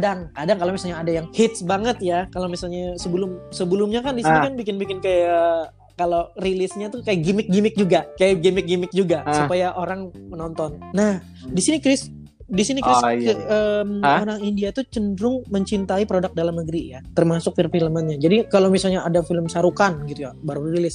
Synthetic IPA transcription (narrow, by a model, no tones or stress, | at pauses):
adaŋkadaŋkalowmisalɲaːdajaŋhɪt̪̚sbaŋət̪̚jakalomisalɲasəbəlʊmsəbəlʊmɲakandisinikanbikɪnbikɪnkaja | kalorilɪsɲat̪ukajaɡimɪk̚ɡimɪk̚d͡ʒuɡakajaɡimɪk̚ɡimɪk̚d͡ʒuɡasupajaʔoɾaŋmənɔnt̪ɔnːah | disinikɾɪs | disinikɾɪskəəmoɾaŋindiat̪ut͡ʃəndɾʊŋməɲt͡ʃint̪aipɾodak̚dalamnəɡəɾijat̪ərmasʊk̚fəlfiləmanɲad͡ʒadikalowmisalɲaʔːdafiləmsaɾukanɡit̪ujabaɾuiɾilɪs